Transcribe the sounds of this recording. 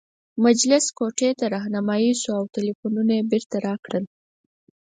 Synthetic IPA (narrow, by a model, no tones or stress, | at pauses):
mad͡ʒlɪskoʈet̪aɾɑɦnamɑjisoawtɪlifununajebeɾt̪aɾɑkɽəl